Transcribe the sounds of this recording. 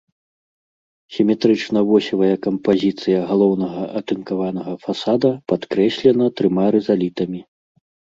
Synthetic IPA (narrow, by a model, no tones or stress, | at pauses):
sʲimʲɛt̪ɾɨt͡ʂnɐvɔsʲɐvɐjɛkɐmpazʲit̪sɨjɐɣalˠɔwnɐɣɐʔɐt̪ɨnkavan̪ɐɣɐfasad̪ɐpat̪kɾɛsʲlʲɛnɐt̪ɾɨmaɾɛzalʲit̪ɐmʲi